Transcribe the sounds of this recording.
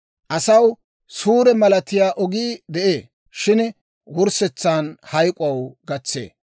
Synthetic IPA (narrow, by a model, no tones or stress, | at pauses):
ʔɐsɐw | suːɾɛmɐlɐt̪ɪjaːʔɔɡiːd̪ɛʔeː | ʃɪn | wʊɾsɛt͡sːaːnhɐjkʼʊɐwɡɐt͡sːḛː